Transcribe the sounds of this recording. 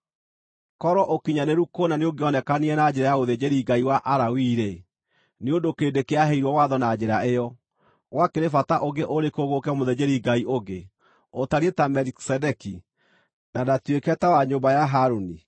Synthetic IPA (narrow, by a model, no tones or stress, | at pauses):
kɔɾɔʔokiɲaneɾukonaneoŋɡeɔnɛkaneɛnad͡ʑɛɾajaoðed͡ʑeɾiɡaiwaʔaɾawiɾe | neondokeːndekeaɦeiɾwɔwaðɔnad͡ʑɛɾaejɔ | ɣwakeɾefataʔoɡeʔoɾekoɣokɛmoðed͡ʑeɾiɡaiʔoɡe | otaɾietamɛɾksɛdɛki | nadatwekɛtawaɲoːmbajaɦaɾoni